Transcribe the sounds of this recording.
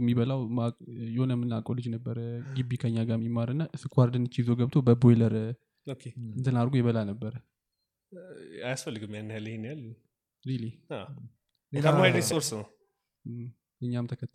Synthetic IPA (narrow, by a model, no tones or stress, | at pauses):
mːiβəlawmajɛhonəmːɨnːakʼolɨd͡ʒnəbːəɾəɡɨbːikʰəɲːaɡamimːaɾɨnːaʔɨsɨkʰʼwaɾd̪ɨnɨt͡ʃːizoɡəβt̪ʰobəbojləɾ | okʰeɨnt̪ʰɨnaɾɡojɛβəlanəbːəɾə | ajasfəlːɨɡɨmjanːhalihenjalː | ɾelia | kʰəmaaɾesoɾsnəw | ɨɲːamt̪ʰəkʰət̪ː